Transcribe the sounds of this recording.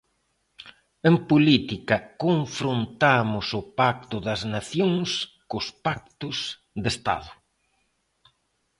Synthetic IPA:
empʊlit̪ikɐkoɱfɾont̪amʊsʊpak̚t̪ʊðɐznaθjoŋs | kʊspak̚t̪ʊs | d̪est̪a̰ðʊ

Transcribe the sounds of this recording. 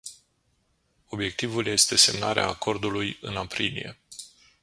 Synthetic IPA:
o̞bje̞k̚t̪ivulje̞st̪e̞se̞mnaɾea̰ːkʰo̞rd̪ulujɨnapɾilḭje̞̰

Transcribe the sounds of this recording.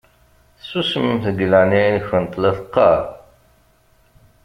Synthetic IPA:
susəmθəɡlæninəçənt̪ˤːleθqːɑɾ

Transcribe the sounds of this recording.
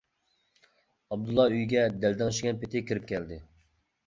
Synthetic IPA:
ɑb̚d̪ulˠːɑyjɡʲɛd̪ɛld̪ɪŋʃɡʲɛnpɪt̪ʰɪkʲʰiɾɪp̚kʲʰɛld̪ɪ

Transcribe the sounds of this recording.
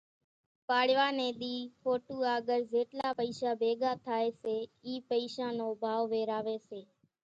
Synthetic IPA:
paːɽʋaːnẽːɗ̪iːfʰoːʈuːaːɠəɾzeːʈlaːpəiːsaːbʱeːɠaːt̪ʰaːeːseːiːpəiːsãːnoːbʱaːʋʋeːɾaːʋeːseː

